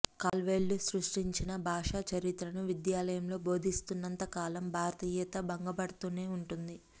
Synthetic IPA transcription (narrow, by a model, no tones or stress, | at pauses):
kaːlʋe̞ːlːusɾuʂʈiɲt͡ʃinɐbʱaːʂaːt͡ʃɐɾit̪ɾɐnuʋid̪jaːlɐjɐmlo̞ːbʱo̞ːd̪ʱist̪unːɐnt̪ɐkaːlɐmbʱaːɾɐt̪iːjɐt̪ɐbɐŋɡɐbɐɽɐt̪uːneːuɳʈund̪i